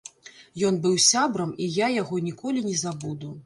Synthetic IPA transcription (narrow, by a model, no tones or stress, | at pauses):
jɔn̪bɨwsʲabɾɐmijajaɣɔnʲikɔlʲinʲɛzabud̪u